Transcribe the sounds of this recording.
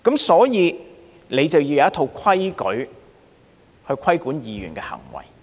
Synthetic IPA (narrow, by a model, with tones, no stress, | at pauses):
kɐ˨˥msɔː˨˥jiː˨˧ | le˨˧jt͡sɐ˨wjiː˧jɐ˨˧˦ɐ˥t̪ʰo˧wkʷʰɐ˥jkɵ̰˨˥ɥ | hɵ˧ɥkʰɐ˥jkuː˨˥njiː˨˧jy̰˨˩nkɛː˧hɐ̰˨˩ŋwɐ̰˨˩j